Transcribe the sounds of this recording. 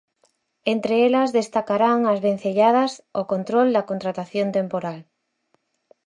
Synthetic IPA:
ent̪ɾeelɐzðest̪akaɾaŋazβen̟θeʎað̞asokont̪ɾold̪ɐkont̪ɾat̪aθjont̪empoɾal

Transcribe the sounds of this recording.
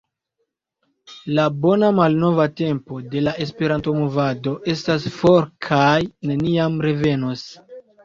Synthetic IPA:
labo̞namalno̞vate̞mpo̞de̞lae̞spe̞ɾanto̞movado̞ʔe̞stasfo̞ɾkʰajne̞niamɾe̞ve̞nos

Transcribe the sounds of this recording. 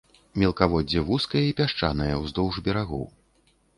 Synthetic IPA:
mʲɛlˠkavɔdd͡zʲɛvuskɐjɛipʲaʂt͡ʂa̰nɐjɐwzd̪ɔwʐbʲɛɾaɣɔ̰w

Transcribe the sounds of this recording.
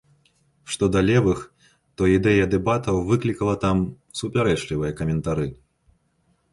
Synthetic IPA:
ʂt̪ɔd̪ɐlʲɛvɨx | t̪ɔid̪ɛjɐd̪ɛbat̪ɐwvɨklʲikɐlˠɐt̪am | supʲaɾɛt͡ʂlʲivɨjɐkɐmʲɛnt̪aɾɨ

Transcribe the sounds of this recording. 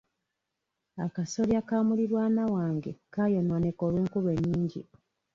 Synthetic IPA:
akaso̞ɾjakaːmuliɾwaːnawaːŋɡe̞̰kaːjo̞nwane̞kolweːŋkuβwe̞ɲːiːɲɟḭ

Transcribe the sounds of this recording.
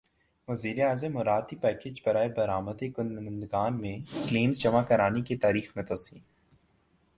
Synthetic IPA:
ʋɐziːɾeaːzəmːʊɾaːd̪̚kipɛːkeːd͡ʒbɐɾaːebɐɾaːməd̪eɡʊnɪ̃ɪ̃nd̪ɡaːnmẽkleːmzd͡ʒɐmakɐɾaːnikit̪aːɾiːxmẽt̪oːsiː

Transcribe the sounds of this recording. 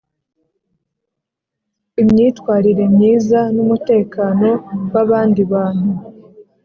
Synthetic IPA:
imɲiːtwaːɾiɾe̞mɲiːzanumute̞ːkaːno̞waβaːndiβaːn̥u

